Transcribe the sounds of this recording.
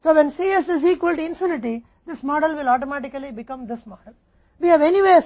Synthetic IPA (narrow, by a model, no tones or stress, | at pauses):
soːʋɛ̃nsiːesdɪs̬iːkʋəlʈɪ̃nfjuːnɪʈi | d̪ɪsmɔːɖəlʋɪlɔːʈɔmæʈɪkɐlibɪkʌ̃md̪ɪsmɔːɖəl | ʋiːhæʋeniʋeːs